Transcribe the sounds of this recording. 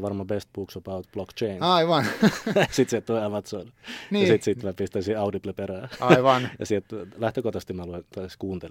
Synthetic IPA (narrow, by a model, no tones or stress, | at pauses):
ʋɑrmɑbest̪̚b̥uksobaʊt̪b̥lokt͡ʃeinɑiʋɑnsit̪sielt̪t̪oiɑmɑt̪sonnijɑsit̪sit̪mæpist̪æsiɑudiplepeɾæːɑiʋɑnjɑ̰sielt̪læht̪økot̪ɑst̪imæluent̪ɑiskuːnt̪el